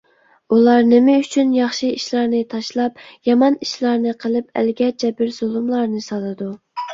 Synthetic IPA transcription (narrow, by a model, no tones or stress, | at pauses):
ulˠɑɾnɪmɪyt͡ʃʰynjɑχʃiiʃlˠɑɾnɨt̪ʰɑʃlˠɑp̚jɑmɑniʃlˠɑɾnɨqʰəlˠɨpæ̰lɡʲɛd͡ʒʰɛbɪɾzolˠumlˠɑɾnɨsɑlˠɨd̪u